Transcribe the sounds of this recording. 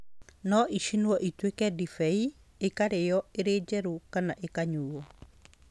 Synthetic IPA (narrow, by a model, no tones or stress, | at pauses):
nɔʔiʃinwɔʔitwekɛdifɛi | ekaɾejɔeɾed͡ʒɛɾukanaʔekaɲuːɔ